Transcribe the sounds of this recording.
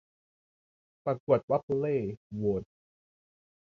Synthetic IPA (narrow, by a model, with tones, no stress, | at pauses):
pa˨˩ku˨˩ət̪̚wa˦˥p̚leː˥˩woː˨˦t̪̚